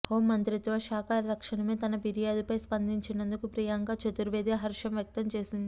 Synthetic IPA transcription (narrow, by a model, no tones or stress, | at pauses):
oːmɐnt̪ɾit̪ʋaʃaːkaːɾɐd̪ɐkʂɐɳɐmeːt̪ɐnɐpiɾijaːd̪upɐjspɐnd̪iɲt͡ʃinɐnd̪ukupɾiːjaːŋɡaːt͡ʃɐt̪uɾʋeːd̪eɦɐɾʂɐmjɐk̚t̪ɐmt͡ʃe̞ːsind̪i